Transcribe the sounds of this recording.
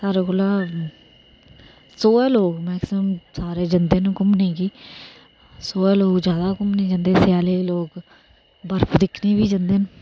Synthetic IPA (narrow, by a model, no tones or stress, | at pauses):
saːɾeːkoːlaː | soːɛːloːkmɛːksəmsaːɾeːd͡ʒənd̪eːnũːkʊmnẽːɡiː | soːɛːloːkd͡ʒjaːd̪aːkʊmneːd͡ʒənd̪eːsjaːleːloːk | bəɾpʰd̪ɪkʰniːbiːd͡ʒənd̪eːn